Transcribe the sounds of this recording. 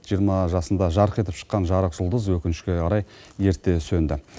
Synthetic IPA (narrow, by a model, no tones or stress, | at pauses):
ʒ̥ijəɾmɑʒɑsənd̪ɑʒɑɾəqe̞t̪ɪpʃə̥qːɑnʒɑɾəqʒ̥ʊlˠd̪əzwɵkʲɪnɪʃkʲeɑɾɑjje̞ɾt̪ːe̞sɵnd̪ɪ